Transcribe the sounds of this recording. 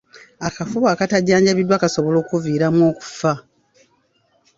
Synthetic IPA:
akafuβaːkataɟːaːɲɟaβidwaːkasoβolo̞ːkuviːɾamwo̞ːku̥fa

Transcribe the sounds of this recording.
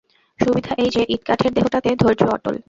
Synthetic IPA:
ʃubid̪ʱaʔejd͡ʑeʔit̪̚kaʈʰeɾd̪eɦoʈat̪ed̪ʱoɾd͡ʑoɔ̰ʈo̰l

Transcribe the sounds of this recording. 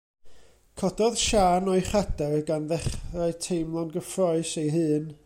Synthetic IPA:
kʰɔdɔðʃaːnɔɨχadɛrɡanðɛχraɨtʰejmlˠɔnɡəfrɔɨsejɦɨːn

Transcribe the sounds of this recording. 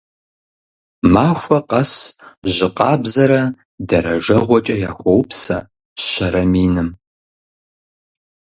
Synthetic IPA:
maːxʷɐqɐsʑɪqɑːbzɐɾɐ | dɐɾɐʒɐʁʷɔt͡ʃʼɐjaːxʷɔwpsɐ | ɕɐɾɐmiːnɨm

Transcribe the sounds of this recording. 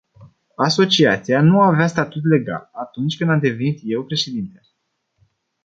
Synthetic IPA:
aso̞t͡ʃiat̪sianuaveast̪at̪ut̪̬le̞ɡa̰lat̪unt͡ʃʲkɨnd̪amd̪e̞ve̞nit̪je̞wpɾe̞ʃe̞d̪int̪el

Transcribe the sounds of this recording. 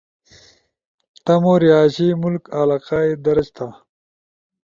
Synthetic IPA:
t̪ɐmoɾiaːɕimulkalaːqaːed̪ɐɾɐd͡ʑt̪ʰa

